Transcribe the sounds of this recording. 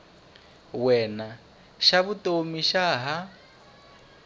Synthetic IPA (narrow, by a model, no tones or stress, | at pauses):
wɛːna | ʃaβutʼomiʃaɦa